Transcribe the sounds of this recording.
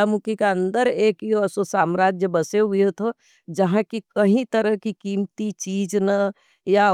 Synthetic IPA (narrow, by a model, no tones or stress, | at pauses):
amukikeɐ̃nd̪əɾeːkiososaːmɾaːd͡ʒjəbɐseɦʊjet̪ʰo | d͡ʒɐɦãkikɐɦĩt̪əɾəɦkikiːmt̪it͡ʃiːd͡ʒna | ja